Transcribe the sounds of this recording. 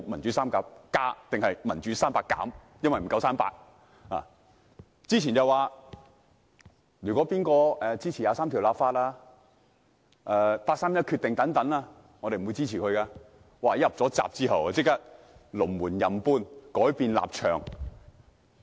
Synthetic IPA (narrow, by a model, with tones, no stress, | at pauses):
mɐ˨˩nt͡ʃyː˨˦saː˥mkaː˧˥p̚kaː˥t̪ɪ˨ŋhɐ˨jmɐ˨˩nt͡ʃy˨˥saː˥mpaː˧kːa̰ː˨˥m | jɐ˥nwɐ˨jm̩˨˩kɐ˧wsaː˥mpa̰ː˧k̚ | la̰ː˨˩ | t͡siː˥t͡ɕʰiː˨˩nt͡sɐ˨˩waː˨ | ɥyː˨˩kʷɔː˨˥piː˥nkɔː˧ʔɛː˨˧t͡siː˥t͡sʰi˨˩jaː˨˧saː˥mt̪ʰi˨˩laː˨p̚faː˧t̚laː˥ | ʔɛː˧paː˧k̚saː˥mjɐ˥t̚kʰy˧t̪ɪ˨ŋt̪ɐ˨˥ŋt̪ɐ˨˥naː˧ | ŋɔ˨˧ɾe˨jm̩˨u˨˧jt͡siː˥t͡sʰiː˨˩kʰɵ˧ɥkaː˧ | waː˨jɐ˨p̚t͡sɔː˨˥t͡sa̰ː˨p̚t͡siː˥ɦɐ˨wt͡sɪ˥k̚t̪aː˥t̚ | lʊ˨˩ŋmuː˨˩njɐ˨mpuː˥nkɔː˨˥jpiː˧nla̰ː˨p̚t͡ʃʰœ̰ː˨˩ŋ